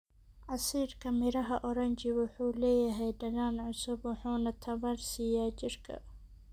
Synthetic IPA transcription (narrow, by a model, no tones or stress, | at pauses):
ʕɑsiːrkʰɐmɪɾɐɦɐʔɔɾɐnt͡ʃɪwʊħuːlɛːjɐɦɛjɖɐɣaːnʕʊsʊbwʊħuːnɐt̪ʰɐβɐrsɪjaːt͡ʃɪrkʰɐ̰